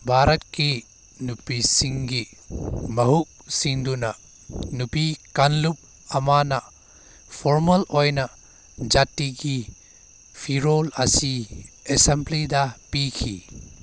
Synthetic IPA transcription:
bʱaɾɐtki | nupisiŋɡi | mɐɦuk̚siŋdunɐ | nupikanlup̚ | ɐmanɐ | pʰoɾmɐlojnɐ | d͡ʒatiɡi | pʰiɾolɐsiesemplidɐpikʰḭ

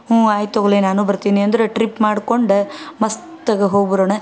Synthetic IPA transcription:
oaːjt̪oːɡlenaːnubɐɾt̪iːniɐnd̪ɐɾeʈɾipmaːɽko̞ɳɖmɐst̪ɐɡeɦoːɡbɐɾoːɳɐ

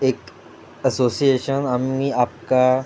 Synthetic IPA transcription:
eːk | əsoːsieːʃənamiaːp̚ka

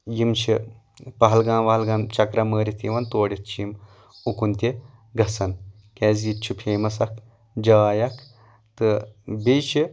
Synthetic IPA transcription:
jimt͡ʃʰi | pɐɦɐlɡãːmʋɐɦɐlɡãːnt͡ʃɐkɾɐməːɾit̪ʰiʋɐnt̪oːɽit̪̚t͡ʃʰijim | ukunt̪ʲe | ɡɐsɐn | keːzjit̪t͡ʃʰupʰeːmɐsɐk | d͡ʒɐːjɐkʰ | t̪ɨbet͡ʃʰi

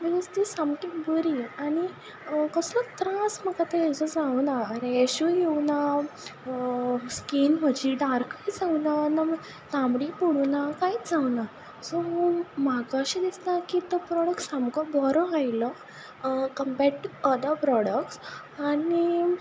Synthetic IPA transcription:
miɡəst̪isamkibəɾiañi | kəslət̪ɾasməkat̪eɦɛ̃t͡sɔd͡zawnaːɾeɛɕujewna | skinm̤əd͡ʑiɖaɾkaid͡zawnana | t̪ãmɽipoɽunakait͡sd͡zawna | sɔmakaɕid̪istakit̪əpɾɔɽək̚ʈsamkɔbʱɔɾɔ̃ajlə | kəmpeɾʈuəd̪əɾpɾɔɽək̚ʈs | ani

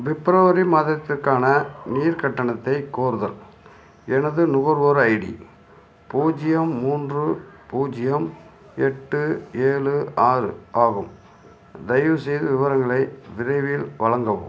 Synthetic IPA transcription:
ʋɪpːɾɐʋɐɾimaːðɪɾɐt̪ːɪrkaːnɐniːɾkɐʈːɐɳɐt̪ːɐɪkoːɾɯðɐ̰l | ɛnɐðɯnʊɣɐɾʋoːɾɐɪɽḭ | puːd͡ʒɪjɐmːuːndrɯpuːd͡ʒɪjɐm | ɛʈːɯeːɭɯaːɾɯ̰aːɣɯm | d̪ɐjʋɯsɛjðɯʋɪʋɐɾɐŋɡɐɭɐɪʋɪɾɐɪʋɪlʋɐɭɐŋɡɐʋɯm

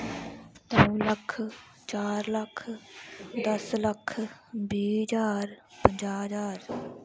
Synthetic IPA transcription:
t̪ə̃ləkʰ | t͡ʃaːɾləkʰ | d̪əsləkʰbiːəd͡ʒaːɾpəɲd͡ʒaːɦd͡ʒaːɾ

